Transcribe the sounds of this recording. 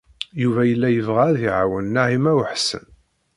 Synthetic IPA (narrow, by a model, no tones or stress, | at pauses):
juvæjəlːæjəvʁæðiʕawənːaʕimæwəħsə̰n